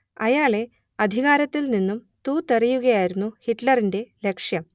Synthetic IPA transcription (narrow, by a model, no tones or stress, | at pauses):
ɐjaːɭe̞ | ɐd̪ʱiɣaːɾɐt̪ːilninːum | t̪uːt̪ːerijuɣɐjaːjiɾunːuhiʈlɐrinde̞le̞kʂjɐm